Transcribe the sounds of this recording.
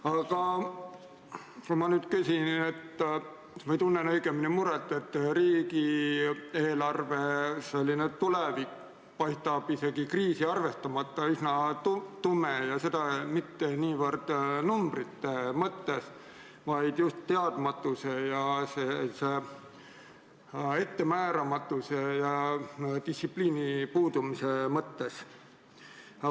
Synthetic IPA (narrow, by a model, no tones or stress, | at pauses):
ɑɡ̥ɑ | kumɑnyːd̪̥kysʲinet̪ː | mejt̪unːenɤjɡeminimuɾet̪ːˑe̞t̪ːriːɡi | eːlɑrve̞selʲːinet̪ulevik | pɑjst̪ɑb̥ise̞ɡ̥ikriːsiɑrve̞st̪ɑmɑt̪ːɑysnɑt̪ut̪umejɑse̞d̪ɑmit̪ːeniːvərd̪̥numb̥rit̪ːemɤt̪ːe̞s | vɑjd̪̥just̪ːeɑd̪̥mɑt̪ːˑusejɑsese | e̞t̪ːe̞mæːɾɑmɑt̪ːˑusejɑd̪issipliːnipuːd̪umise̞mɤt̪ːe̞s